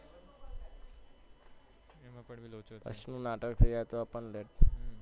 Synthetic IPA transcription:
ə̰snũnaʈəkt̪ʰejat̪oapəɳleʈ

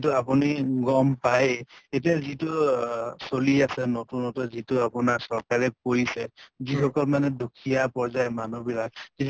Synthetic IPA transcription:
tʊapuniɡɔmpajet̬iazitʊsoliasɛnotunɔtɔzitʊapʊnaɹsɔɹkaɹɛpoɹisɛzikɔkɔlmanɛdokʰijapɔɹzajmanubilak̚ki

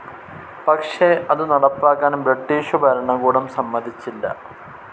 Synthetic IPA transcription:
pɐkʂeʔɐðɨnɐɽɐpːaːkːaːnbɾɐʈːiːʂubʱɐɾɐɳɐkuːɽɐmsɐmːɐd̪ʱit͡ɕːilːɐ̰

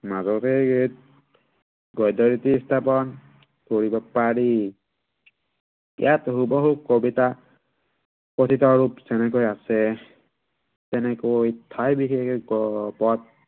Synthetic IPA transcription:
mazɔktʰɡt̚ | ɡɔjdɔɹitistʰapɔn | koɹibapaɹi | ḭjʔatɦubɔɦukobita | potʰitɔɹupsɛnɛk̬ojasɛ | tɛnɛkojtʰajbixekpɔt̚

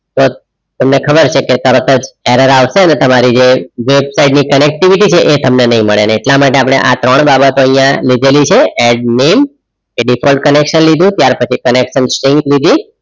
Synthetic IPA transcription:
t̪o | t̪əmnekʰəbəɾt͡ʃʰeket̪əɾət̪ʰəd͡ʒeɾəɾaʋʃeənet̪əmaɾid͡ʒeʋebsaiɖnikənek̚ʈiʋiʈit͡ʃʰeʔet̪əmnenəɦĩməɭeneeʈlamaʈ̬eap̬ɽ̃ḛʔa̰t̪ɾəɳ̃babət̪oəijãlid̪ʱelit͡ʃʰeeɖnem | eɖifʰɔlɖ̚kənekʃənlid̪ũt̪jaɾpət͡ʃʰikənekʃənsʈɾiŋɡlid̪i

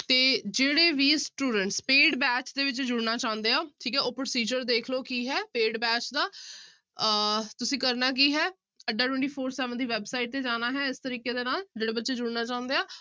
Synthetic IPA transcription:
t̪eːd͡ʒeːɽeːʋiːsʈuːɖəɳʈspeːɖbɛːt͡ʃd̪eːʋɪt͡ʃd͡ʒʊɽnaːt͡ʃaʊ̃nd̪eːaːʈʰiːkɛːoːpɾoːsiːd͡ʒəɾd̪eːkʰloːkiːɦɛːpeːɖbɛːt͡ʃd̪aː | t̪ʊsĩːkəɾnaːk̬iːɦɛː | əɖːaːʈwɛ̃ɳʈiːpʰoːɾsɛːʋənd̪iːʋɛːbsaːiʈ̚t̪eːd͡ʒaːnaːɦɛːɪst̪əɾiːkeːd̪eːnaːld͡ʒeːɽeːbətːʃeːd͡ʒʊɽnaːt͡ʃaːʊ̃nd̪eːaː

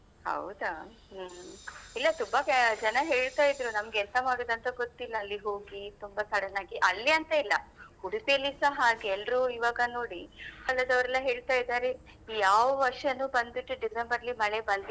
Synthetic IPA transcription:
hɐ̰wd̪a | ilːɐt̪umbɐkd͡ʒɐnɐɦe̞ːɭt̪aːjid̪ɾunɐmɡɛlsɐmaːɽoːd̪ɐnt̪ɐɡot̪ːilːɐːlːiɦo̞ːɡit̪umbɐsʰɐɽɐnaːɡiʔɐlːiɐnt̪ɐilːɐhuɽip̪iɐlːisɐɦaːɡeɛlɾuiʋaːɡɐno̞ːɽiɐlːɐd̪ɐʋɾɛlːɐɦe̞ːɭt̪aːjd̪aːɾe | jaːʋɐʋɐɾʂɐnuːbɐnd̪iʈːuɖiɡɾembɐɾɐlimɐɭebɐnd̪i

